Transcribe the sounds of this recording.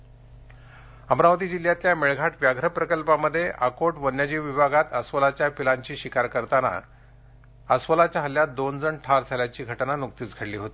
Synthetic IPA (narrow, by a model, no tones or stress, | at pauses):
əmɾaʋət̪̬iːd͡ʑiljat̪ljameɭɡʱaʈʋjaɡʱɾəpɾəkəlpaməd̪ʱːjeʔakoʈʋənjad͡ʑiʋʋibʱaɡat̪əsʋəlat͡ɕjapilaɲt͡ɕiːɕikaɾkəɾt̪ana̰ | əsʋəlat͡ɕjaɦəlːjat̪̚d̪ond͡zəɳʈʰaɾd͡zʱaljat͡ɕiːɡʱəʈnanuk̚t̪iːt͡sɡʱəɽliːɦot̪i̥ː